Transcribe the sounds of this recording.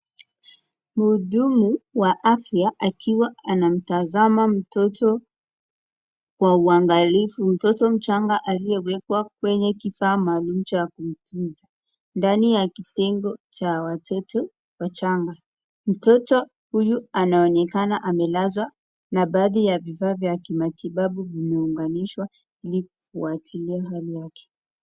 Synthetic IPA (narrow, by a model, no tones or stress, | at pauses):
muːɗumuwaʔafjaʔakʰiwaanam̩tazamam̩tɔtʰɔ | kwauaŋɡalifum̩tɔtɔm̩t͡ʃaŋɡaʔalijɛwɛkwak̚wɛɲɛkifaːmaːlumut͡ʃakum̩punza | ndanijakitɛŋɡɔt͡ʃawatʰɔtɔ | wat͡ʃaŋɡa | m̩tɔtɔ | hujuanaɔnɛkanaʔamɛlazwa | naɓaːðijavifaːvjakimatiɓaɓuvimɛuŋɡaniʃwa | iliku̥fuatʰiliaɦalijakɛ̥